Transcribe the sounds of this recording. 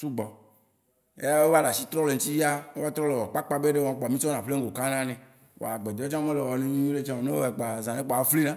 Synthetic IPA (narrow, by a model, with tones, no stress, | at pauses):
su˦ɡ͡bɔ˨ | ḛ˦a˦we˦va˦la˨si˦t̪ɾɔ˦le˨ŋ̩˦t̪i˦ji˦a˦e˦a˦t̪ɾɔ˦le˨wɔ˨k͡pa˦k͡pa˦be˦ɖe˦wã˨k͡pɔ˨mĩ˦sɔ˦nã˨ɸle˦ŋ˦ɡo˨ka˦nã˦nɛ̃˨ | wɔ̰˨a˨ɡ͡be˨d̪ɔ˦t͡ʃã˦mẽ˦le˨wɔ˨nẽ˦ɲũ˦ɲũ˦ɖe˦t͡ʃã˦wɔ˨ne˦o˦e˨k͡pa˨zã˨ne˦k͡pɔ˨a˨˦fli˦nã˦